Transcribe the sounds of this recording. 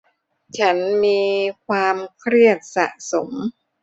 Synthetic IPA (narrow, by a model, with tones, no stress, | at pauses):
t͡ɕʰa˦˥nmiː˧kʰwaː˧mkʰɾi˥˩ət̪̚sa̰˨˩ʔso˩˦m